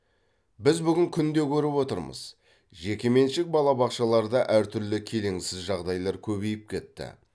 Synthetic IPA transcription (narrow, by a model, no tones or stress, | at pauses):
bɪzbʏɡʲɪŋkʲʰʏnd̪e̞kʲʰɵɾɪpwo̞t̪əɾmə̰z̥ | ʒe̞kʲe̞me̞nʃɪk̚bɑlˠɑbɑqʃɑlˠɑɾd̪ɑʔæɾt̪ʰʏɾlɪkʲʰe̞le̞ŋsɪzʒɑʁd̪ɑjlˠɑɾkʲʰɵβe̞jɪp̚kʲʰe̞t̪ːɪ̰